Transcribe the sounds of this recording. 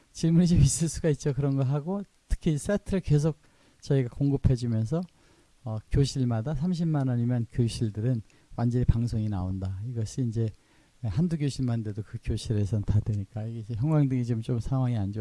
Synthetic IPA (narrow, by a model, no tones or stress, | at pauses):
t͡ɕiɭmunit͡ɕomis͈ɯɭs͈uɡait̚t͡ɕ͈okɯɾʌnɡʌɦaɡo | tʰɯ̥kʰis͈etʰɯɾɯɭke̞s̬ʰok̚ | t͡ɕʌiɡakoŋɡɯpʰe̞d͡ʑumjʌns̬ʰʌ | ʌkjoɕʰiɭmadasʰamɕ̬ʰimmanaɲimjʌnkjoɕʰiɭdɯɾɯn | wand͡ʑʌnipaŋsʰoŋinaondaiɡʌɕʰiːnd͡ʑe̞ | handuɡjoɕʰiɭmande̞dokɯkjoɕʰiɾe̞sʰʌtadweɲik͈aiɡed͡ʑeçjʌŋɡwaŋdɯŋit͡ɕomt͡ɕomsʰaŋɦwaŋiand͡ʑo